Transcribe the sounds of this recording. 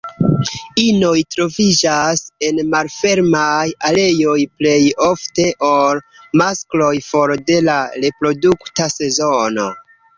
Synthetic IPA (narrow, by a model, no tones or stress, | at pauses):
ino̞jtɾo̞vid͡ʒase̞nmalfe̞ɾmajale̞jo̞jple̞jo̞fte̞ʔolmasklo̞jfo̞ɾde̞laɾe̞pɾo̞duktase̞zo̞no̞̰